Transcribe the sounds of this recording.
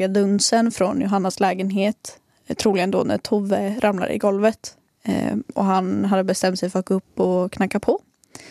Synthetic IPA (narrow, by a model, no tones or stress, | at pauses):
ad̪ɵnsənfɾɔnjʊɦanːaslɛːɡənɦeːt̪ | t̪ʰɾuːlɪɡənd̪o̰næ̰ʈ̪ʰʊvəɾʔamla̰ɾɪ̰ɡɔlvət̪ | ɔɦanɦad̪ːəbɛst̪ɛmt̪sɛjfœɾat̪̚ɡ̥oɵpːɔkʰnakːapʰɔ